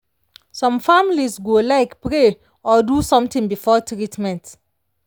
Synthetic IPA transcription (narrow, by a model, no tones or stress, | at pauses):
sɔ̃mfamilisɡolaɪkpɹe | ɔdusɔ̃mtĩŋbifɔtɹitmɛ̃nt